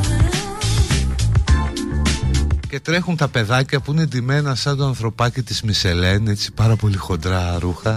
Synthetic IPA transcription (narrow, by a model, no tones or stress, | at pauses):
ce̞t̪ɾe̞xunt̪ɐpe̞ðɐcɐpuined̪ime̞nɐsɐnd̪oɐnθɾo̞pɐcit̪izmise̞le̞ne̞t͡si̥pɐɾɐpo̞lixo̞nd̪ɾɐɾuxɐ